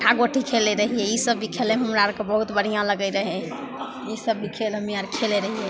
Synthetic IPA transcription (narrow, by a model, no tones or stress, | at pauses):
ʈʰaɡoʈʰikʰeleɾəɦiɛisəbːikʰeleɦəmɾaɾkebəɦut̪bəɽ̤ijãləɡəɾəɦɛ̃ | isəbːikʰeləmiəɾkʰeleɾəɦiɛ